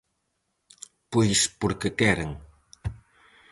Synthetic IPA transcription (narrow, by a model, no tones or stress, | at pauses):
pojspuɾkəkɛɾəŋ